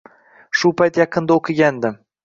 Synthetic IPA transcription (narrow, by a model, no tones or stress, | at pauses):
ʃʊpʰajt̪jɑqʰɨnd̪aoqʰɨɡʲand̪ɪm